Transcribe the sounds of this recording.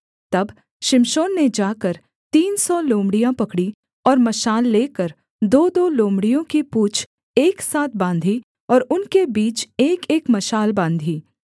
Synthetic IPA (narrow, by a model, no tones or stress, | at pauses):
t̪ɐb | ʃɪmʃoːnːed͡ʒaːkəɾ | t̪iːnsɔlõːmɽijãpɐkɽi | ɔːɾmɐʃaːlːeːkəɾ | d̪oːd̪oːlõːmɽijõkipuːt͡ʃʰ | eːksaːt̪̚ʰbãːnd̪ʱi | ɔːɾʊnkebiːt͡ʃeːkeːkmɐʃaːlbãːnd̪ʱiː